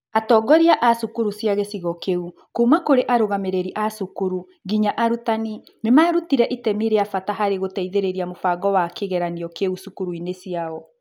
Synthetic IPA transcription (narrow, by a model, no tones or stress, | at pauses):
atɔːɡɔɾiaʔasukuɾusjaɣesiɣɔkeu | kumakoɾeʔaɾoɣameɾeɾiʔasukuɾu | ɡiɲaʔaɾutani | memaɾutiɾɛʔitɛmiɾeafataɦaɾeɣotɛiðeɾeɾiamofaɡɔwakeɣɛɾaniɔkeusukuɾuinesiaɔ